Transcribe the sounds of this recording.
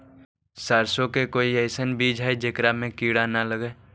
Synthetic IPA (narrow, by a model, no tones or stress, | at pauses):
saːɾsokekoːiɛɪsənbiːd͡ʒɦɛed͡ʒekɾamẽkiːɽanaləɡɛː